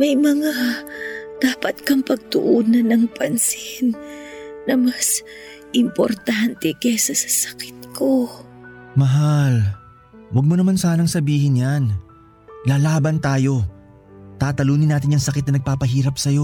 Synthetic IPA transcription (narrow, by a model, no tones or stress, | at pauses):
mɐjmɐŋa | d̪̥aːpɐt̪kɐŋpɐɡ̚t̪ʊʔoːnɐnɐŋpɐnsɪnː | ɐmas | ʔɪmpo̰ɾt̪ant̪ɛkɛsɐsɐ̥sɐ̥kɪ̥t̪̚ko | mɐɦal | wɐɡ̚monɐmansaːnɐŋsɐbiːhɪnjan | laːlaːbɐnt̪aːjo̞ | t̪aːt̪ɐluːnɪnaːt̪ɪnɐŋsɐkɪt̪nɐnɐɡ̚paːpɐɦiːɾɐpsɐjo̞